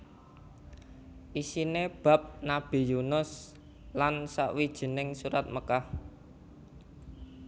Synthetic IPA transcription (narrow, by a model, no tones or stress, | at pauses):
ʔisineb̥ä̤p̚nab̥i̤junʊs | lansa̰ʔwid̥ʒ̥ə̤nɪŋsuɾat̪̚məkah